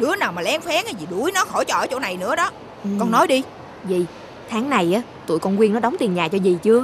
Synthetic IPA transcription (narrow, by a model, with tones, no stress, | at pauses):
ɗɨ˨˦ənaː˨˩wmaː˨˩lɛ˨˦ŋfɛː˨˦ŋa˨˧˩zi˨˩ɗu˧˩əjnɔ˨˦xo˧˩t͡ɕɔ˧ʔəː˨˦t͡ɕo̰˧˩˦na˨˩jnɨ̰˧˥əɗɔ˨˦ | kɔ˧nnɔ˨˦jɗi˧ | zi˨˩ | t̪ʰaː˨˦ŋna˨˩jʔaː˨˦ | t̪ṵ˧˨jkɔ˧nkwi˧ənɔ˨˦ɗa˨˦wŋ͡mt̪i˨˩nɲaː˨˩t͡ɕɔ˧zi˨˩t͡ɕɨ˧ə